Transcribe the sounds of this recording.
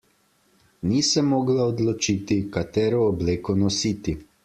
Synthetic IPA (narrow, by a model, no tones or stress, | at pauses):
niːsɛmːɔːɡlaɔd̪lɔt͡ʃiːt̪ikat̪ɛːɾɔːbleːkɔnɔsiːt̪i